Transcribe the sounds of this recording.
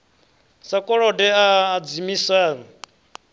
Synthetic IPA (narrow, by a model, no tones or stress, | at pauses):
sakʼɔɺɔdɛad͡zimisaːna